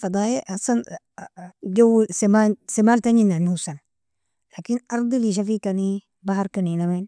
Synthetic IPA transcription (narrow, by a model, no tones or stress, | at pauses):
fɑd̪ˤɑːjaʔasˤan | ɟawsemansemaːlt̪aninanusan | laːkinʔɑɾˤd̪ˤiliʃ̬afikani | bahɑɾˤkaninamen